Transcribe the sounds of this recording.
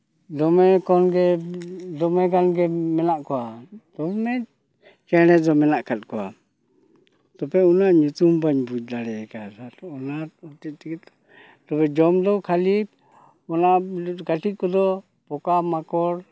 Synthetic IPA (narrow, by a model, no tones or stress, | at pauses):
d̪ɔmɛkɔnɡɛd̪ɔmɛɡanɡɛmɛnaʔkɔwat̪ɔmɛ | kɛñɛd̪ɔmɛnaʔkʰat̪̚kɔwa̰ | t̪ɔpɛunaʔɲut̪umbaɲbud͡ʒ̚d̪aɽɛkadaɾɔnathɔt̪ɛt̪̚ˀt̪ɛkɛt̪ | t̪ɔbɛd͡ʒɔmd̪ɔwkʰalib̚ | mɔnakaʈʰit̪̚kɔd̪ɔ | pɔkamakɔɽ